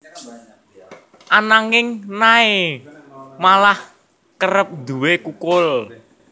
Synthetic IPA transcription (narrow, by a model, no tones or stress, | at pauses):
ʔanaŋɪŋnae | malah | kəɾəp̚d̪uwekukʊl